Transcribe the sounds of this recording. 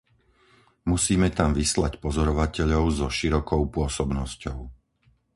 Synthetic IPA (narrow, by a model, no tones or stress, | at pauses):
musiːmɛt̪amʋislacpɔzɔɾɔʋacɛʎɔʊzɔʃiɾɔkɔʊpʊɔsɔbnɔscɔʊ